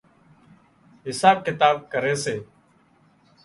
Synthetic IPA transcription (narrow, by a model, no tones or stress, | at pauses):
ɦɪsaːb̚kɪt̪aːb̚kəɾeːseː